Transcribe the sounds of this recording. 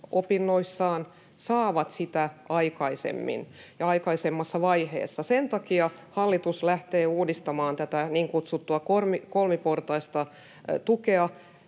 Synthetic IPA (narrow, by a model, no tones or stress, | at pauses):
opinːoisːɑːn | sɑːʋɑt̪sit̪æʔɑikɑisḛmːḭnjɑɑikɑisemːɑsːɑʋɑihḛːsːɑsent̪ɑkiɑhɑlːit̪uslæht̪eːuːdist̪ɑmɑːnt̪æt̪æniːŋkut̪sut̪ːuɑkormikolmiport̪ɑist̪ɑ | t̪ukeɑ